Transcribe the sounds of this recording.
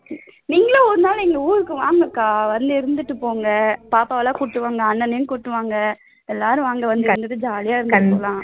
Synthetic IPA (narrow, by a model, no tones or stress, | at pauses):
niːŋɡɐlːɔɾɯnaːlɪŋɡɐuːɾɯkːɯʋaːŋɡɐkːaːʋɐnd̪ɯɪɾɯnd̪ɯʈːɯpoːŋɡɐpaːpaːʋɐlaːkʊʈːɯʋaːŋɡɐɐnːɐnɐjɯ̃nkʊʈːɯʋaːŋɡɐ | ɛlːaːɾɯ̃ʋaːŋɡɐʋɐnd̪ɯɪɯnd̪ɯðːɯd͡ʒaːlɪjaːɪɾɯd̪ːɯppoːlãː